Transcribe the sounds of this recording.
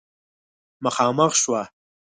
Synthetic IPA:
məxɑːməxʃwa

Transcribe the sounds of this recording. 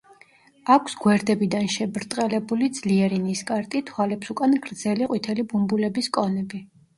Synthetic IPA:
akʷʰsɡwɛɾd̪ɛbid̪anʃɛbɾt̪ʼqʼɛlɛbulid̪zliɛɾiniskʼaɾt̪ʼit̪ʰwalɛpsukʼanɡɾd̪z̥ɛliqʼwit̪ʰɛlibumbulɛbiskʼɔnɛbi

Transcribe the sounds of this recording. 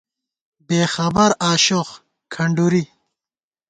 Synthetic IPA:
beːxɐbɐɾaːɕox | kʰɐɳɖuɾi

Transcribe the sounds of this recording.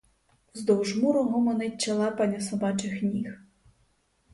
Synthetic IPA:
zd̪ɔwʒmuɾɔɦɔmɔnɪt͡ʃɐlˠɑpɐnʲɐsɔbɑt͡ʃɪxnʲix

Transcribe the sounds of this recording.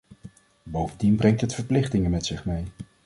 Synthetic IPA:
bowvəndinbrɛŋktɦətfəɹplɪχtɪŋəmɛtsɪχmej

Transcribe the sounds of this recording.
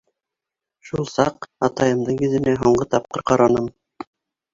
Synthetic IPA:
ʃulˠsɑqɑt̪ɑjɤ̆md̪ɤɴɵ̆ðɘ̆næɦoɴɢɤt̪ɑp̚qɤɾqɑɾɑnɤm

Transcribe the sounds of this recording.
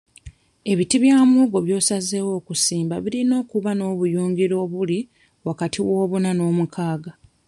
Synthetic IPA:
e̞βitiβjaːmuːɡo̞βjo̞ːsazewo̞ːkusiːmbaβiɾino̞ːkuβano̞ːβujuːŋɡiɾo̞ːβuli | wakatʰiwo̞ːβunano̞ːmukʰaːɡa

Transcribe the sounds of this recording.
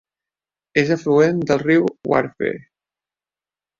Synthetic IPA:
ezəfluend̪əlˠriwwa̰ɾfḛɾ

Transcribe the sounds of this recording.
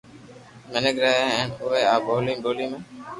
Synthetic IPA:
məneɡɾaːãːɛːnʊʋeːaːbʱoːlĩːbʱoːliːmẽː

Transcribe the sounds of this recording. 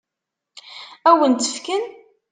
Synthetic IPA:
æwənt̪ːə̥fkən

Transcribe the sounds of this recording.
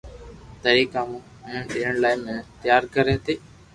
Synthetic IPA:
t̪əɾiːkãːmũː | mũːɗɪːəɳlaːɪmẽːt̪əjaːɾkəɾẽːt̪eː

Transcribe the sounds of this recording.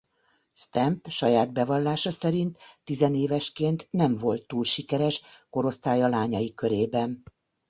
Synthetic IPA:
st̪ɛmpʃɒjaːd̪̚bɛvɒlːaːʃɒsɛɾint̪ːizɛneːvɛʃkeːnt̪nɛɱvo̞lt̪ːuːlʃikɛɾɛʃko̞ɾo̞st̪aːjɒlaːɲɒjikøɾeːbɛn

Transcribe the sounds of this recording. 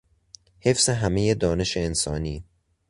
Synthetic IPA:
he̞fse̞ɦæmejed̪ɒːne̞ʃeːnsɒːniː

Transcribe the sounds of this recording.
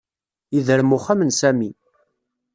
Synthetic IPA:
iðəɾmuχamənsæmi

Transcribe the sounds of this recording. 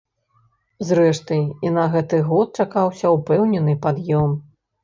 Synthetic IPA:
zɾɛʂt̪ɐjinɐɣɛt̪ɨɣɔt̪̚t͡ʂakawsʲɐupɛwnʲɛnɨpad̪jɔm

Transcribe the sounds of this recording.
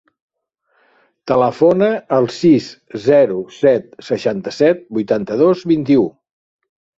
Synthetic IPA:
t̪ələfonəːlˠsiszɛɾusɛt̪̚səʃant̪əsɛt̪̚bujt̪ant̪əðozβint̪iu

